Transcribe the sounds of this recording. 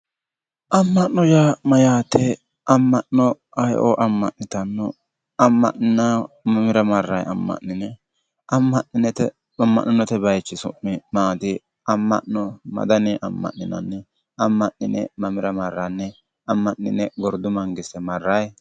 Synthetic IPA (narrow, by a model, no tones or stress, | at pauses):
ʔɐmːɐʔnɔjamɐjaːt̪ɛ | ʔɐmːɐʔnɔ | ɐjʔo̰ːʔɐmːɐ̰ʔnːɪt̪ɐnːɔ | ɐmːɐ̰ʔɪnamɐmɪɾɐmɐrːɐjɐ̰mːɐ̰ʔːɪnɛ | ʔɐmːɐnnɪnɛt̪ɛ | ɐmːɐ̰ʔnːɪnːɔt̪ɛbɐjt͡ʃːɪsʊ̰mːɪmaːt̪ɪ | ʔɐmːɐ̰ʔnɔmɐ̰d̪ɐnɛʔɐmːɐ̰ʔːɪnɐ̰nːɛ | ʔɐmːɐʔnɪnɛ̰mɐmɪɾɐmɐrːɐnːɛ | ɐmːɐʔnɪ̰nɛɡɔɾd̪ʊmɐŋɡɪsɛmɐrːɐj